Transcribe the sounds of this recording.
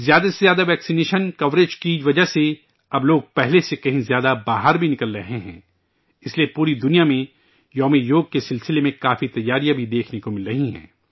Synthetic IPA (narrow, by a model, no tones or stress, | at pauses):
zjaːd̪asezjaːd̪aʋɛːksineːʃənkɐʋɾeːd͡ʒkiʋɐd͡ʒase | ɐbloːɡ̚pɛɦlesekɐɦĩzjaːd̪abaːɦəɾbʱinɪkəlːɐɦẽɦɛ̰̃ː | ɪsliepuːɾid̪ʊnijamẽ | jɔːmijoːɡ̚kesɪlsɪlemẽkaːfit̪ɐjːaːɾijabʱid̪eːkʰnekomɪlːɐɦĩɦɛ̰̃ː